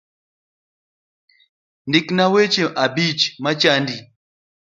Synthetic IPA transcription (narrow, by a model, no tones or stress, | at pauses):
ndiknawet͡ʃeʔabit͡ʃmat͡ʃandi